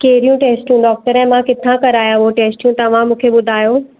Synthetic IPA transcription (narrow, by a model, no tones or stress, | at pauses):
kɐːɦɪɾijũʈeːsʈjũɖɔːk̚ʈəɾɛ̃ːmãkɪt̪ʰãkɐɾaːjãɦoʈeːsʈjũt̪ɐʋ̤ãmũːkʰeɓʊd̪ʱaːjoː